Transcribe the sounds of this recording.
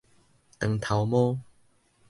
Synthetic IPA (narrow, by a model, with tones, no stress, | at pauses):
t̪ə˨ŋt̪ʰa˨wmɔ̃˦